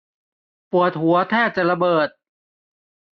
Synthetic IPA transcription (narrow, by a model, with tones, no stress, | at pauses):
pu˨˩ət̪̚ɦu˩˦ɐt̪ʰɛː˥˩t̪̚t͡ɕa˨˩ɾa˧bɤː˨˩t̪̚